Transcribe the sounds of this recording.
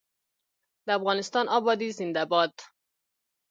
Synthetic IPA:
d̪̥ææfɣɑːnest̪ɒːnʔɒːbɒːd̪iːzind̪æbɒːd̪

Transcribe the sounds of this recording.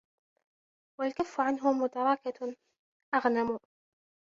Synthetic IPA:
walkafːʊʕanɦʊmʊt̪ɑɾˤɑka | ʔaɣnamuː

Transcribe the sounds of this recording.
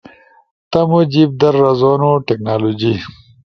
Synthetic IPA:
t̪ɐmud͡ʑib̚d̪ɐɾːɐzonoʈeknaːloːd͡ʑi

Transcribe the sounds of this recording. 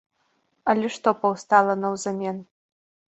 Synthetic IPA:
ɐlʲɛʂt̪ɔpɐwst̪alˠɐnɐwzamʲen

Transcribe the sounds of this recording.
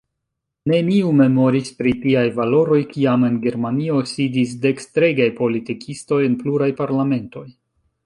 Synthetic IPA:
ne̞miume̞mo̞ɾispɾitiajvalo̞ɾo̞jkiame̞nɡe̞ɾmanio̞sidis̬de̞kstɾe̞ɡajpo̞litikʰisto̞jenpluɾajpaɾlame̞nto̞j

